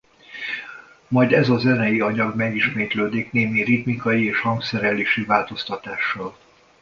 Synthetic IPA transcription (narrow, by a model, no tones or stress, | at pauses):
mɒjd̪ɛzɒzɛnɛjiɒɲɒɡmɛɡiʃmeːt̪løːd̪ikneːmirit̪mikɒjieːʃhɒŋksɛɾɛleːʃivaːlt̪o̞st̪ɒt̪aːʃːɒl